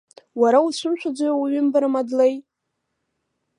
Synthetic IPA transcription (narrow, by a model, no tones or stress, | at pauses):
waɾausʷʊmʃʷʰᶣad͡zʷajwɥʏmbaɾamadlej